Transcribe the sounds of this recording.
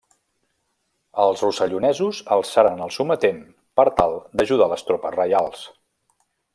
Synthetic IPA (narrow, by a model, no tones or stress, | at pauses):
əlˠzrusəʎunɛzuzəlˠsaɾənəlˠsumət̪em | pəɾt̪alˠd̪əʒuð̞aləst̪ɾɔpəzrəjalˠs